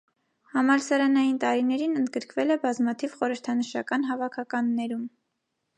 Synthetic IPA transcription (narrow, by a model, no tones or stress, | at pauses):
hɑmɑɾsɑɾɑnɑjint̪ɑɾinɛɾinənd̪̚ɡəɾkvɛlɛbɑzmɑt̪ʰivχɔɾəɾt̪ʰɑnəʃɑ̰kɑn̪ɦɑvɑkʰɑkɑnːɛɾum